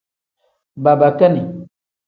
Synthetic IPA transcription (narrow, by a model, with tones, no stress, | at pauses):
ba˨ba˨ka˦ni˨